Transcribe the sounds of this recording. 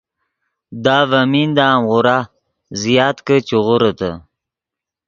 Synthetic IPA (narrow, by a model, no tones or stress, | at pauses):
d̪ɑːvamind̪ɑːmʁʊɾa | zijɑːt̪kət͡ʃuʁʊɾət̪ə̰